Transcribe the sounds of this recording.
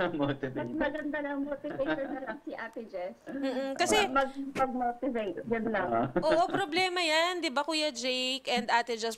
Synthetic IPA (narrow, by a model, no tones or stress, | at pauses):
mot̪ɪvɐmɐɡɐnd̪ɐlɐŋmoːt̪ɪvejt̪ɔnɐlɐŋsiʔat̪ɪd͡ʒɛsm̩ːkɐsɛmɐɡmɐɡ̚moːt̪ɪvejt̪ɡɐnlɐŋʔoːʔopɾoblɛːmɐjɐnd̪ɪbakujɐd͡ʒejkʔɛnd̪ʔaːt̪ɪd͡ʒɐs